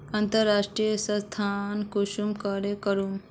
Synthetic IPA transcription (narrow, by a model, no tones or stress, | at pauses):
ɐnt̪əɾaːʂʈɾijəsɐ̃st̪ʰaːnkuʃumkaɾekəɾum